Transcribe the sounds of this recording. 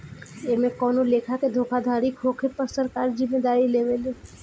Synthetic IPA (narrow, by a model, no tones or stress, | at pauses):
emẽkɔːnolekʰaked̪ʱokʰad̪ʱaɾikʰoːkʰepəɾsəɾkaːɾd͡ʒɪmːed̪aːɾileʋeleː